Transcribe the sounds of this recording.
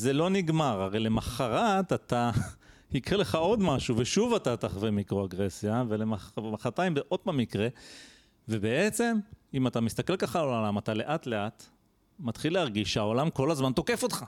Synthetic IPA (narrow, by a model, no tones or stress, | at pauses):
ze̞lo̞niɡmaʁaʁe̞jle̞maχaʁat̪ata | hikʁele̞χao̞d̪maʃuveʃuvat̪at̪aχvemikʁoaɡʁesjave̞lemaχmaχat̪aimbeʔo̞t̪̚bamikʁe̞ | ve̞be̞et͡se̞mimat̪amist̪ake̞lkaχalamat̪ale̞ʔatle̞at | mat̪χileaʁɡiʃeao̞lamko̞lazmant̪o̞ke̞fo̞t̪χa